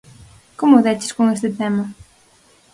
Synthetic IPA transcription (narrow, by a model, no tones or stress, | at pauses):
komʊðɛt͡ʃɪ̥skoŋest̪ɪt̪ɛmɐ